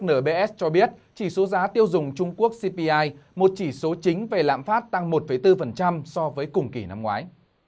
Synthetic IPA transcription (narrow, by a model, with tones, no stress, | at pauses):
nəː˧˩ɓe˧ʔɛ˦˥t͡ɕɔ˧ɓi˦˥ət̚t͡ɕi˧˩so˨˦zaː˨˦t̪i˧əwzʊ˨˩ŋ͡mt͡ɕʊ˧ŋ͡mku˦˥ək̚si˧pi˧ʔaː˧jmo˨˩t̚t͡ɕi˧˩so˨˦t͡ɕï˨˦ŋ̟ve˨˩la̰ː˧˨mfaː˦˥t̚t̪a˧ŋmo˨˩t̚fə˧˩jt̪ɨ˧fə˨˩nt͡ɕa˧msɔ˧vəː˨˦jkʊ˨˩ŋ͡mki˧˩na˧mŋwaː˨˦j